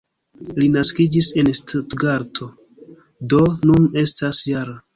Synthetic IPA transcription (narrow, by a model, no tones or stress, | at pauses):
linaskid͡ʒise̞nstʰotɡaɾtʰo̞ | do̞nune̞stasjaɾa